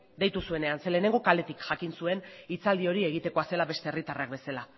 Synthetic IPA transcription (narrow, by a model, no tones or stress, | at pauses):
d̪e̞jt̪usue̞ne̞anse̞le̞ne̞ŋɡo̞kale̞t̪ikʝakinsue̞nit͡sald̪io̞ɾie̞ɣ̞it̪e̞ko̞ase̞laβe̞st̪e̞erit̪arak̚be̞sela